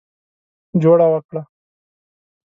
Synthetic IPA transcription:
d͡ʒoːɽawakɽa

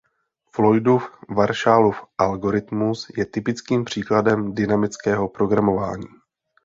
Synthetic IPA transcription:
flo̞jdufvaɾʃalufʔalɡo̞ɾɪt̪musjɛt̪ɪpɪt͡skiːmpr̝̥iːkladɛmdɪnamɪt͡skɛːɦo̞pɾo̞ɡɾamo̞va̰ːɲiː

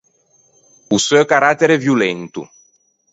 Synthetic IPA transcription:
usɔkaɾat̪ːeɾevjulɛnt̪ṵ

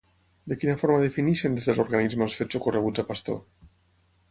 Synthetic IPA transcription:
d̪ekinafoɾmaðefiniʃend̪ezðeloɾɣanizmlsfet͡ʃokoreβ̞uzapast̪o̰ɾ

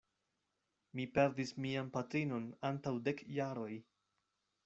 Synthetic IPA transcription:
mipe̞ɾdismianpatɾino̞nantawde̞kjaɾo̞j

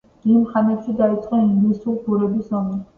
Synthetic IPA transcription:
d̪̥imχamɛpʃid̪ait̪sʼqʼɛnmisuχbuɾɛbisɔmɛ

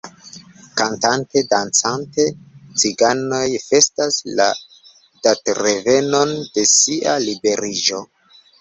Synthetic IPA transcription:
kantante̞dant͡sante̞t͡siɡano̞jfe̞stasla̰ | datɾeve̞no̞nd̥e̞siʔalibe̞ɾid͡ʒo̞

